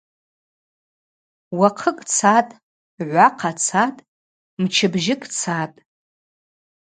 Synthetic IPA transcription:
waqʰəkʼt͡sʰatʼ | ʕʷaqʰat͡sʰatʼ | mt͡ʃʰɪbʒɪkʼt͡sʰatʼ

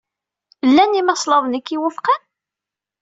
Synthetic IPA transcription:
əlːænimɑsˤlɑðˤnikːiwʊfqan

